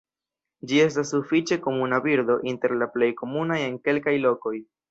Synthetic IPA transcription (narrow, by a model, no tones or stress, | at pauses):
d͡ʒie̞stasːufit͡ʃe̞ko̞munabiɾd̪o̞ʔinte̞ɾlaple̞jko̞munaje̞ŋke̞lkajlo̞ko̞j